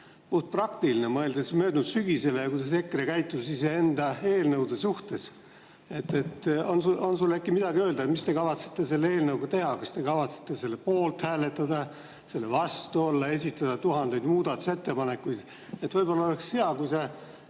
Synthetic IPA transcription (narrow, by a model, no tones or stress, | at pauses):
puht̪̚prɑkt̪ilinemɤeld̪esmø̞ːd̪nud̪syɡ̥ise̞lejɑkusese̞kːrekæjt̪ːˑusisee̞nd̪ɑe̞ːlnɤwd̪esuht̪e̞s | e̞t̪ːe̞t̪ːonsuo̞nsulːekːimid̪̥ɑɡiø̞ːld̪ɑet̪mist̪e̞kɑvɑt̪se̥t̪ːˑe̞se̞lːee̞ːlnɤwɡ̥ut̪e̞hɑkɑst̪e̞kɑvɑt̪se̥t̪ˑːe̞se̞lːe̞po̞ːlt̪hæːle̞t̪ːˑɑd̪ɑ | se̞lːevɑst̪uo̞lːɑe̞sʲit̪ːˑɑd̪̥ɑt̪uɦɑnd̪e̞jd̪muːd̪̥ɑt̪u̥se̞t̪ːe̞pɑne̞kːujd̪̥ | et̪ːvɤjbo̞lːɑo̞le̞kshe̞ɑkujse